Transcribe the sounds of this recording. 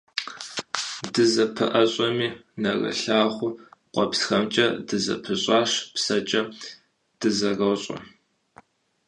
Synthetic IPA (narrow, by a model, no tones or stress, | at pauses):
dɨzɐpʰɨʔɐɕʼɔmiːnɐrɐ̰ɬaːχʷʊqʷʼɔpsxɐmt͡ʃʼɐdɨzɐ̰pʰɨɕʼɑːʂpsɐt͡ʃʼɐ | d̥ɨzɐrɐwɕʼɐ̰